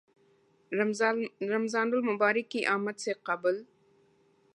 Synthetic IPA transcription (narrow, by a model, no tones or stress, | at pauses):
ɾamzɑːndʊlmʊbɑːɾɪkiʔɑːmad̪seqabəl